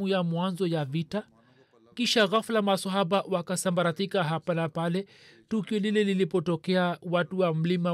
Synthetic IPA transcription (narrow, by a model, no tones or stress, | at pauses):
ujamwanzɔjavita | kiʃaɣaflamasaɦaɓawakasambaɾat̪ikaɦapanapalɛ | tukiɔlilɛlilipɔtɔkɛawatuwam̩lima